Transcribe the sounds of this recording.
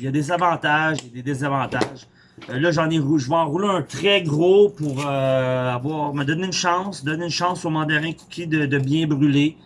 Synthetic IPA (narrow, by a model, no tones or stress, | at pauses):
jad̪ezavɑ̃t̪aʒjad̪ed̪ezavɑ̃t̪aʒ | lʌʒɑ̃neʁuʒəvãʁuleə̃t̪χɛɡʁopuʁøavwaːʁməd̪ɔneynʃɑ̃sd̪ɔnenʃɑ̃somɑ̃d̪ɛʁɛ̃ku̥kʲʰid̪əd̪əbjɛ̃bʁyle